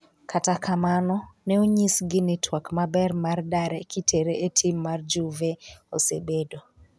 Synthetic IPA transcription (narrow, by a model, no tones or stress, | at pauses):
kʰatakʰamanɔnɛoɲisɡɪnɪtwakmabɛrmardaɾɛkʰitʰeɾeʔetʰimːard͡ʒuveosḛbedo